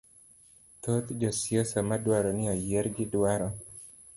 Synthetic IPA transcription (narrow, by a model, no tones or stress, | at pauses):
t̪ot̪d͡ʒɔsjosamadwaɾɔnɪɔjeɾɡɪdwaɾɔ